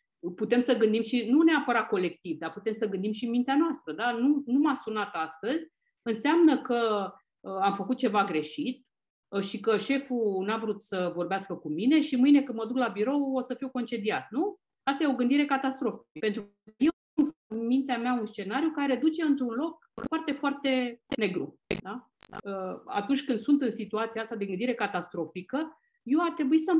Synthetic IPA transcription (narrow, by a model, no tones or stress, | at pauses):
put̪e̞msəɡɨnd̪imʃinuneapəɾat̪̚ko̞le̞kt̪ivd̪aput̪e̞msəɡɨnd̪imʃimint̪eanoast̪ɾəd̪anunumasunat̪ast̪əzʲ | ɨnseamnəkə | əamfəkut̪̚t͡ʃe̞vaɡɾe̞ʃit̪̚ | əʃikəʃe̞funavɾut̪səvo̞rbeaskəkumine̞ʃimɨjne̞kɨnd̪məd̪uklabiɾo̞wo̞səfiwko̞nt͡ʃe̞d̪iat̪̚nu | ast̪ajeoɡɨnd̪iɾe̞kat̪ast̪ɾo̞fi̥pe̞nt̪ɾ | je | nfmint̪eameaunst͡ʃe̞naɾjukaeɾe̞d̪ut͡ʃe̞ɨnt̪ɾunlo̞k̚ | art̪e̞foart̪e̞neɡɾu | d̪a | əa̰t̪unt͡ʃʲkɨnd̪sunt̪ɨnsit̪uat̪siaast̪ad̪e̞ɡɨnd̪iɾe̞kat̪ast̪ɾo̞fikə | je̞wart̪ɾe̞buisə